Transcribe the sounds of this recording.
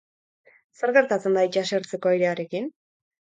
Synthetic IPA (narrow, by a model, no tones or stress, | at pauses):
se̞ɾɣe̞ɾt̪at͡se̞nd̪ait͡ʃaseɾt͡se̞ko̞ajɾe̞aɾe̞kin